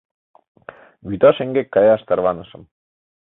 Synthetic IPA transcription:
βyt̪ɑʃeŋɡekːɑjɑʃt̪ɑɾβɑnɤ̆ʃɤ̆m

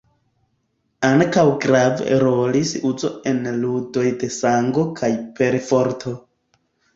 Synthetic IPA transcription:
aŋkawɡɾavḛɾolisuzo̞̰e̞nludo̞jde̞saŋɡo̞kʰajpe̞ɾfoɾtʰo̞

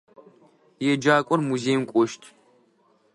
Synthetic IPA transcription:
jɛd͡ʒaːkʷʼɔɾmuzeːmkʷʼɔʃtʰʼ

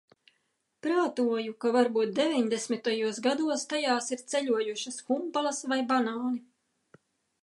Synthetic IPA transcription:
pɾaːt̪uɔjukavaɾbuːt̪̚d̪evʲiɲd̪esmit̪ajuɔsɡad̪uɔst̪ajaːsiɾt̪sɛʎuɔjuʃɐsxumpalˠɐsvajbanaːni

